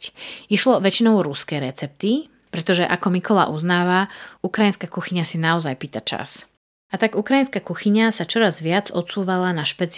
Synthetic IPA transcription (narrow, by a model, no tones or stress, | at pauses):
iʃlɔʋɛt͡ʃinɔʊɾuskɛːɾɛt͡sɛp̚t̪i | pɾɛt̪ɔʒɛʔakɔmikɔla̰ːʔuznaːʋaukɾajinskakuxiɲasinaɔzajpiːt̪at͡ʃa̰s | at̪aɡukɾajinskakuxiɲasat͡ʃɔɾazʋɪad͡zɔt̪t͡suːʋalanaʃpɛt͡s